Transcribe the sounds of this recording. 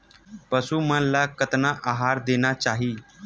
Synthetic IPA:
pəsumənlakət̪naʔaɦaɾd̪enat͡ʃaɦiː

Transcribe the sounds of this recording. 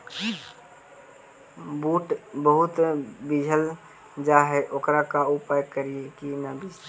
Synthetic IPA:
buːʈbəɦʊt̪bɪd͡ʒʱəl | d͡ʒaɦeʔokɾakaupajkəɾiekinəbid͡ʒ

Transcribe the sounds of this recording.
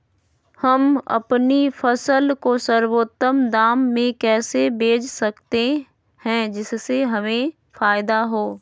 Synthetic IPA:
hɐmɐ̰pnifʰɐsəlkosəɾwoːt̪ːəmd̪aːmːẽkɛːsebʱeːd͡ʒsɐkt̪e | hɛ̃d͡ʒɪsːeɦɐmẽ | faːɪd̪aɦoː

